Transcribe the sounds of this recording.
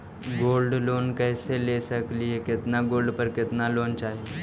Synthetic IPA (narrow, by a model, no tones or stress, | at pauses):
ɡoːlɖloːnkɛːselesɐkliekɪt̪naɡoːlɖpəɾkɪt̪naloːnt͡ʃaːɦie